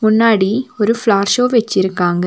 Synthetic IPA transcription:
mʊnːaːɽiɔɾɯflaːɾʃoːʋɛt͡ʃːɪɾɯkːaːŋɡɐ

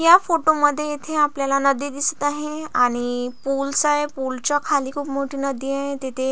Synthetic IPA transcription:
jafoʈoməd̪ʱːjejet̪ʰeapljalanəd̪id̪isə̥t̪aɦeaɽ̃ipulsaɦepult͡ɕakʰaliːkʰuːpmoʈʰiːnəd̪iːaɦet̪et̪ʰe

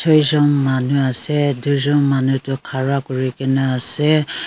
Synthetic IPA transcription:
sʰɔjzɔmːanuaseduzɔmːanutukʰaɹakɔɹikenaːse

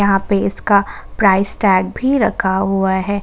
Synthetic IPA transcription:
ɐɦãpeɪskapɾaːɪsʈɛːɡ̚bʱiɾɐ̰kʰaɦuaɦɛː

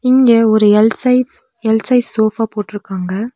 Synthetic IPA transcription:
ɪŋɡeɔɾɯɛlsɐɪ | ɛlsɐɪsoːfaːpoːʈːɪɾɯkːaːŋɡɐ

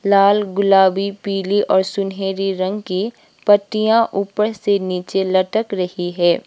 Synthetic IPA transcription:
laːlɡʊlaːbipiːliʔɔːɾsʊnɦeːɾiɾɐ̃ŋɡki | pɐʈːijãʔuːpəɾseniːt͡ʃelɐʈəkɾɐhiɦɛː

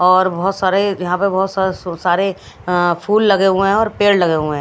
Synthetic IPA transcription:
ɔːɾbɔːʊt̪saːɾejɐɦãpebɔɦʊt̪ssaːɾe | pʰuːlːɐɡeɦũɦɛ̃ɔːɾpeːllɐɡeːɦũɦɛ̃

